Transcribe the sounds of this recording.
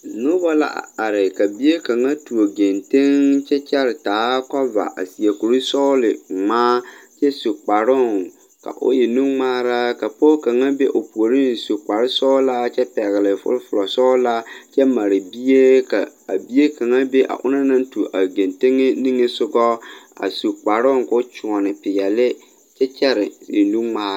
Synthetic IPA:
nʊ˦ba˦la̰˦ʔa̰˨a˨ɾɪ˨ka˨bi˦je˦ka˨ŋa˦tu˨o˨ɡe˨nte˦ŋt͡ʃɛ˦t͡ʃɛ˦ɾɪ˨taː˨˦ka˦va̰˨ʔa̰˨si˨a˨ku˨ɾi˦sɔ˦lɪ˨ŋ͡maː˦t͡ʃɛ˦su˨k͡pa˨ɾʊ˦˨ŋ | ka̰˨ʔʊ̰˦jɛ˨nu˦ŋŋ͡maː˦ɾa˦ka˨po˦ka˨ŋa˦be˦ʔo˨pu˨o˨ɾi˦n˨su˨k͡pa˨ɾɪ˦sɔː˦la˦t͡ʃɛ˦pɛ˨ɣɪ˨lɪ˨fʊ̰˦lfʊ˨lɔ˨sɔː˦la˦t͡ʃɛ˦ma˨ɾɪ˨bi˦e˦ka˨a˨bi˦e˦ka˨ŋa˦be˦ʔa̰˨ʔʊ̰˦na˦nã˦n˦tu˨ʔa˨ɡe˨nte˦ŋe˦nĩ˦ŋːe˦sʊ˦ɡɔ˦a̰˨su˨k͡pa˨ɾʊ˦ŋkʊ˦t͡ʃʊ˨ɔ˨nɪ˨pɪ˨jɛ˨lɪ˦ | t͡ʃɛ˦t͡ʃɛ˦ɾɪ˨e˨nũ˦ŋŋ͡maː˦ɾa˦

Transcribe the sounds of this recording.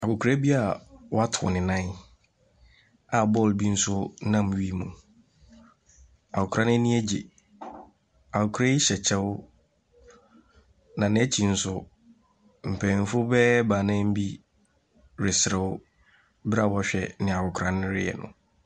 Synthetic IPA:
a˨kʊ˨kʰu˨ɾa˦bi˦a˨wɔ˦a˦tʰʊ̰˨nɪ̃˨nã˦ | a˨bɔ˦˨lbi˦n̩˦sʊ˦nã˦˨mɥi˦mũ˨ | a˨kʊ˨kʰɾa˦nɪ̃˦nɪ̃˦æ˦d͡ʑe˨ | a˨kʊ˨kʰu˦ɾa˦ɪ˦ɕɛ˨t͡ɕʰɛ˦wʊ˦ | nã˨nɪ̃˨˦ɛ˦t͡ɕʰi˨n̩˦sʊ˦ | m̩˨pʰɛ̃˨n˨fʊ˦bɛ˦ba˨nɛ̃˦m̩˦bi˦ | ɾɪ˨sɪ˨ɾɛ˨ʊ˦ | bɪ˦ɾa˨wɔ˦ɕᶣɛ˨nɪ̃˨a˨kʰʊ˨kʰɾã˨nɪ̃˦ɾɪ̰˦jɛ̰˨nʊ̰̃˨

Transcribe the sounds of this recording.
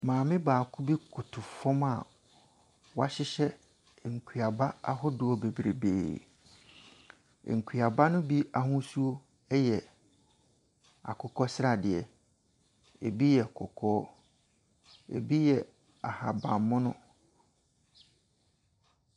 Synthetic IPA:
mãː˨mɪ̃˦baː˨kʰu˦bi˦kʰʊ˨tʰʊ˨fɔ̃˦ma̰˨ | wa˦ɕɪ˦ɕɛ˦˨ | ŋ̩˨kʰi˨a˨ba˦a˦ɦʊ˦dʊ˨ɔ˦be˨bɾḛ˨bḛː˨ | ŋ̩˨kʰi˨a˨ba˦nʊ̃˦bi˦a˨hʊ̃˦su˦o˦ | ɛ˦jɛ˨ | a̰˨kʰʊ˨kʰɔ˦sɪ˦ɾa˨dɪ˨ɛ˨ | ḛ˨bi˦jɛ˨kʰɔ˨kʰɔː˦ | ḛ˨bi˦jɛ˨ | a˨ha˨bã˨m˨mːʊ̃˦nʊ̃˦

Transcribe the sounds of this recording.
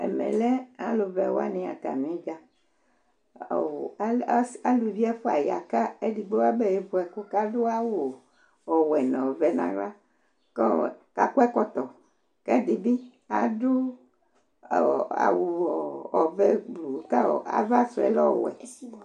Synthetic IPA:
ɛ̰˨mɛ̰̃˨lɛ˦a˦lo˨vɛ˨wo˦a̰˦nĩ˨˦a̰˨t̪a̰˨mĩ˦ɡa˦˨˦ | a˨lu˨vi˦ɛ˦fo˦a˨ja̰˨ka˦e˦di˨ɡ͡be˦wa˦bɛ˦˨je˦bo˨ɛ˨ko˦ka˦do˦a˦wo˨ | ɔ˨wɛ˨nɔ̃˨vɛ˨nã̰˨ɡla˦ | kɔ˦˨ka˨ku˦ɛ˦kɔ˦t̪ɔ˨ | kɛ˦di˨bi˦ | a̰˨do˦˨ | a̰˨wo˨ɔ˨vɛ˦ɡ͡blu˨ka˦˨a̰˨va˦so˨ɛ̰˨lɔ˦˨wɛ̰˨

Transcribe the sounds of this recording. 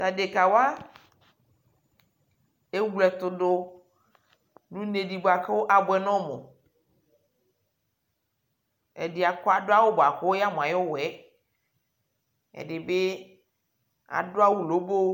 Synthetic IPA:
t̪a˨de˨ka˨wa˦ | e˦wu˦lɛ˨t̪ʊ˨dʊ˦ | nu˦ne˨di˨bo˨a˨ke˦wo˦ʔa˨bʊ˦ɛ˨nɔ̃˦mo̰˨ | ɛ̰˨di˨a˨kɔ˦a˨dʊ˦a˦wo˦bo˨a˨ko˦wja˦mõ˨a˨jwo˦wɛ˨˦ | ɛ̰˨dɪ˨be˦ | a̰˨dʊ˦a˦wu˦lo˨˦bo˦

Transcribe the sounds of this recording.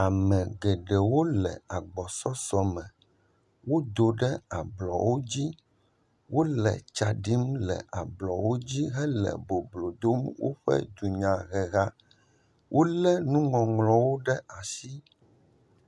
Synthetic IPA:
a˨mɛ̃˨ɡɛ˨ɖɛ˨wo˦lɛ̰˨a˨ɡ͡bɔ˨sɔ˦sɔ˨mɛ̃˨ | wo˦d̪o˨ɖɛ˦a˨blɔ̰˨wo˦d͡ʑi˦ | wʔo˦lɛ̰˨t͡ʃa˨ɖi˦mlɛ̰˨ʔa˨blɔ˨wo˦d͡ʑi˦ɦɛ˦lɛ̰˨bo˨blo˨d̪o˦mwo̰˦ɸɛ̰˦d̪u˨ɲã˨ɣɛ˨ɣa˦ | wʔo˦lɛ˦nũ˦ŋɔ̃˨ŋlɔ̃˨wo˦ɖɛ˦a˨ʃi˦

